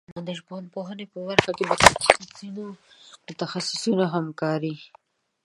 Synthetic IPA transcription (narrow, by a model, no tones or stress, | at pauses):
nad̪əʒponpoɦənepəbaɾxakelət̪axsinomʊt̪axasɪ̥sunaɦamkɑɾi